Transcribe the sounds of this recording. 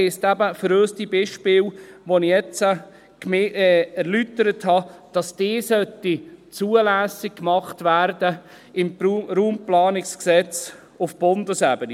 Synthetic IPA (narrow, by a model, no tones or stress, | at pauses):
ɪstæbəfəɾøːstibɪʃpɪːlʋonɪjɛt͡sə | kmɪɛæɾlytəɾəthɑd̥ɑsd̥eːsœtːit͡suːəlæːsɪkkːmɑχtvæːɾdə | ɪmɾuːmplɑːnɪksksɛt͡s | ʊfb̥ʊndəsæbəni